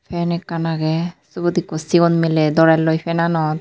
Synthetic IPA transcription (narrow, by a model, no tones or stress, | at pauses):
pʰɛnɛkːanaɡɛsubɔt̪ikːɔsiɡɔnmelɛd̪ɔɾalːɔjpʰɛnanɔt̪̚